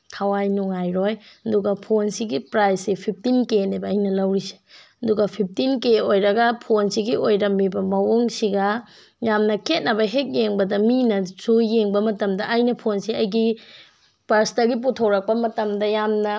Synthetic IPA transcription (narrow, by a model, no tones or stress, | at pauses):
kʰɐwajnuŋajɾojɐduɡɐpʰonsiɡipɾajsipʰip̚ʰtinkenebɐːjnɐlɐwɾise̥ɐduɡɐpʰip̚ʰtinkeojɾɐɡɐpʰonsiɡiojɾɐmːibɐmɐwoŋsiɡɐ | jamnɐkʰet̚nɐbɐɦek̚jeŋbɐdɐminɐzuːeŋbɐmɐtɐmdɐʔajnɐpʰonsiɐjɡi | pɐɾsnɐɡip̬utʰɐwɾɐk̚pɐmɐtɐmdɐjamnɐ